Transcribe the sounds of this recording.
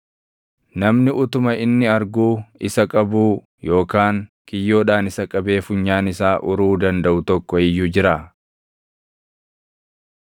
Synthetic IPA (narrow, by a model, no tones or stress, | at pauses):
nɐmnɪʔʊt̪ʊmɐʔɪnːɪɐɾɡuːɪsɐkʼɐbuː | jo̞ːkaːŋ | kɪjːo̞ːᶑaːnɪsɐkʼɐbe̞ːfʊɲːaːnɪsaːʔʊɾuːd̪ɐnd̪ɐʔʊt̪ɔkːɔɪjːuːd͡ʒɪɾaː